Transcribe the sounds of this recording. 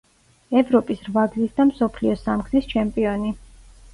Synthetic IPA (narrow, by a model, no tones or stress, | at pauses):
ɛvɾɔpʼisɾvaɡzisd̪amsɔpʰliɔsamɡzist͡ʃʰɛmpʼiɔni